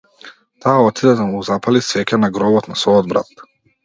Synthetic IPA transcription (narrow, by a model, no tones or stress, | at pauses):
t̪aːɔt̪id̪ɛd̪amuːzapalisvɛcanaɡɾɔbɔt̪nasvɔjɔd̪bɾa̰t̪